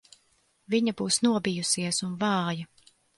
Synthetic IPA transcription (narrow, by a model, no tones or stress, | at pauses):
viɲabuːsnuɔbijusiɛsunvɑːjɐ